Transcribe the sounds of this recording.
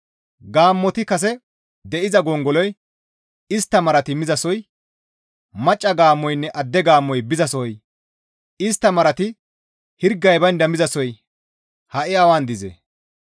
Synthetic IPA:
ɡaːmːɔt̪ɪkɐs̬ɛ | d̪ɛʔɪzɐɡɔŋɡɔlɔj | ɪst̪ːɐmɐɾɐt̪ɪmɪzɐsɔj | mɐt͡ʃʼːɐɡaːmːɔjnːɛʔɐd̪ːɛɡaːmːɔjbɪzɐsɔj | ɪst̪ːɐmɐɾɐt̪ɪ | hɪɾɡːɐjbɐnd̪ɐmɪzɐsɔj | hɐʔɪɐwand̪ɪzɛ̰

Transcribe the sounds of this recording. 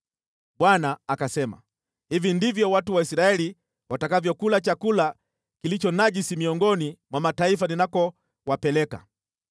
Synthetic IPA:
ɓwanaːkasɛma̰ | hivindivjɔwatuwaisɾaɛli | watakavjɔkulat͡ʃakula | kilit͡ʃɔnaʄisimiɔŋɡɔnimwamataifaninakɔ | wapɛlɛka̰

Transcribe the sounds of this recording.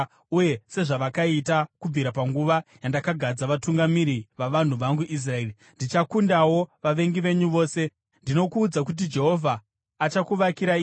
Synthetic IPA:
uje̞se̞ʐaʋakaitakub͡viɾapaŋɡuʋajandakaɡʱad͡zaʋatuŋɡamiɾiʋaʋan̤uʋaŋɡuʔis̬rae̞ːri | ndit͡ʃakundawo̞ʋaʋe̞ŋɡiʋe̞ɲuʋo̞ːse̞ | ndino̞kuːd͡zak̬ut̬id͡ʒe̞ɦo̞vʱaː | t͡ʃakuʋakiɾaiː

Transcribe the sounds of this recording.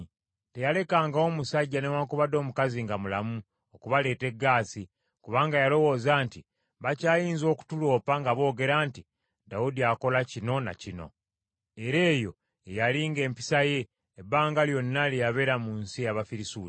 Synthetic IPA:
te̞jale̞kaːŋɡao̞musaɟːanewaːkuβado̞ːmukaziŋɡamulamu | okuβale̞ːte̞ɡːaːsi | kuβaːŋɡajalo̞wo̞ːzaːnti | βacaːjiːnzo̞ːku̥tulo̞ːpaŋɡaβo̞ːɡe̞ɾaːnti | dawudiako̞lacino̞na̰cino̞̰ | e̞ɾe̞ːjo̞ | ejaliŋɡe̞ːmpi̥saje̞ː | baːŋɡaljo̞nːalejaβe̞ɾamuːnsijaβafiɾisuː

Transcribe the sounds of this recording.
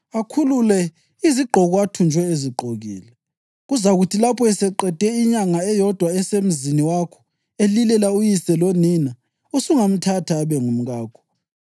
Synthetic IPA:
akʰululɛ | iziɡ͡ǃʱɔɣɔatʰund͡ʒʱwɛeziɡ͡ǃʱoɣḭːlɛ | ɣuzaɣutʰilapʰɔɛsɛǃɛd̥ʱɛiɲaŋaɛjɔd̥ʱwaɛsem̩ziniwakʰɔ̥ | elilɛlaujisɛlonina | usuŋam̩tʰatʰaːβɛŋum̩ɣaːkʰɔ̥

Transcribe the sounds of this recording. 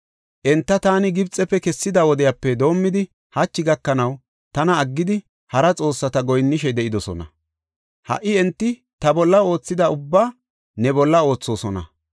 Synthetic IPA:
ʔɛnt̪ːɐt̪aːnɪɡɪbt͡sʼɛpːɛkɛsːɪd̪ɐwɔd̪ɛjapːɛd̪o̞ːmːɪd̪ɪ | hɐt͡ʃːɪɡɐkːɐnɐw | t̪ɐnɐːɡːɪd̪ɪ | hɐɾɐt͡sʼo̞ːsːɐt̪ɐɡɔjnːɪʃ̬ɛd̪ɛʔɪd̪ɔsɔ̰nɐ̰ | hɐ̰ʔːɪɛnt̪ːɪ | t̪ɐbɔlːɐo̞ːt͡sːɪd̪ɐʊbːaː | nɛbɔlːɐo̞ːt͡sːo̞ːsɔnɐ̰

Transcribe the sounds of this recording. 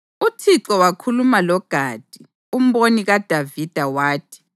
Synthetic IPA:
utʰiǁɔwakʰulumalɔɡ̥ʱaːd̥ʱi | um̩βoniɣad̥ʱavid̥ʱawaːtʰi̥

